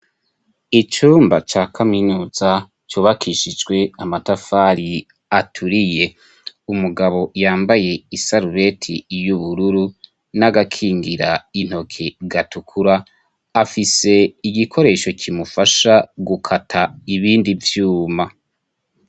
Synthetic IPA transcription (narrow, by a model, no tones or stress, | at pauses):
it͡ʃuːmbat͡ʃaːkʰaminuːz̥a | t͡ʃuːβakʰiːʃid͡ʒɡwe̞amatafaːɾi | atʰuɾije̞ | umuɡaβo̞jaːmbaje̞isaɾuɾe̞tʰijuβuɾuɾu | naɡakʰiːŋɡiɾain̥ho̞kʰe̞ɡatukʰuɾaː | fise̞iɡikʰo̞ɾe̞ːʃo̞cʰimufaʃaɡukʰatʰaiβiːndivjuːma